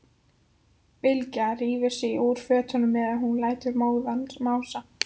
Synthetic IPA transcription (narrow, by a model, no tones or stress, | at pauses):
vɪlcariːvɪ̥sɪiʔuːɾ̥fœːt̪hɔnʏmnɛðaðɦunlaːjt̪ʏɾmoːwɣðanmaːwsa